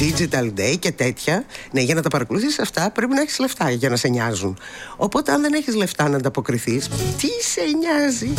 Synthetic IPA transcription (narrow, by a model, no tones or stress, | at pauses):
d̪id͡ʒit̪ɐld̪ejce̞t̪e̞t̪çɐneʝɐnɐt̪ɐpɐɾɐko̞luθisɐft̪ɐpɾe̞pinɐeçi̥zle̞ft̪ɐʝɐnɐse̞ɲɐzun | o̞po̞t̪e̞ɐnðe̞ne̞çizle̞ft̪ɐnɐːnd̪ɐpo̞kɾiθist̪iseɲɐzi